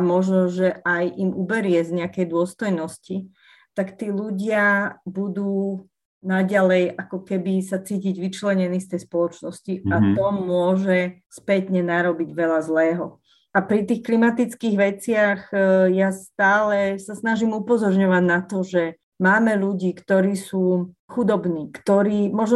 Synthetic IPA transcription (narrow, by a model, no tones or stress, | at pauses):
mɔʒnɔʒɛʔajʔimubɛɾɪɛzɲɛakɛjd̪ʊɔst̪ɔjnɔsci | t̪akt̪iːluɟɪabud̪uː | naɟalɛjakɔkɛbisat͡siːciɟʋit͡ʃlɛɲɛniːst̪ɛjspɔlɔt͡ʃnɔsciat̪ɔmʊɔʒɛ | spɛt̪ɲɛnaɾɔbiɟʋɛlazlɛːɦɔ | apɾit̪iːxklimat̪it͡skiːɣʋɛt͡sɪaxjast̪aːlɛsasnaʒimupɔzɔɾɲɔʋaɟnat̪ɔʒɛ | maːmɛluɟiːkt̪ɔɾiːsuːxud̪ɔbniːkt̪ɔɾiːmɔʒnɔ